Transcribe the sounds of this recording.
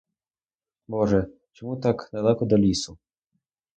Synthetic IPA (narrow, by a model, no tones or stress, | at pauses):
bɔʒɛ | t͡ʃɔmut̪ɑkd̪ɐlˠɛkɔd̪ɔlʲisʊ